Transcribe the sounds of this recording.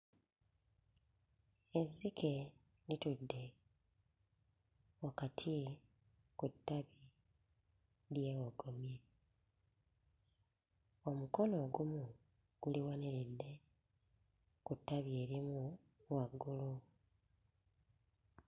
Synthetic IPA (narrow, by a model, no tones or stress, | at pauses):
ezike̞ | litudːe̞ | wakatʰi | kutːaβi | ɾjeɣoɡomje | o̞muko̞no̞ɡumu | ɡ̥uliwaniɾidːe̞ | kutːaβie̞ɾimu | waɡːulu